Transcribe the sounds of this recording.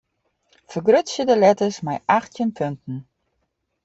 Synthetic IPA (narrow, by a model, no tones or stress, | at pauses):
fəɡrøtsjədəlɛtəsmajʔaxtjənpʰøntn̩